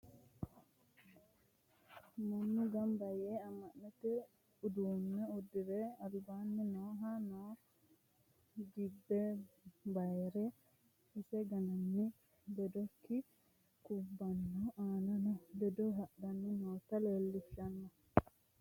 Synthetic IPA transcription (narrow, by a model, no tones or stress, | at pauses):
mɐnːɪɡɐmbɐjeːɐmːɐnːɛt̪ɛ | ʊd̪uːnːɛʊd̪ːɪɾɛɐlbaːnːɪnoːɦɐnoː | d̪ibːɛbɐjɛɾɛ | ɪsɛɡɐnɐnːɪ | d̪ɛd̪ɔkːɪ | kʊbːɐnːɔʔaːnɐnɔd̪ɛd̪ɔɦɐʔdɐnːɪnoːt̪ɐleːlːɪʃɐnːɐ